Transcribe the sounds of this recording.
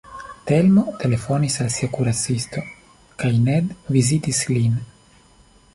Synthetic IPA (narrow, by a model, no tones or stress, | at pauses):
t̪elmot̪e̞le̞fo̞nisalsiakuɾat͡sist̪o̞ | kajned̪vizitislin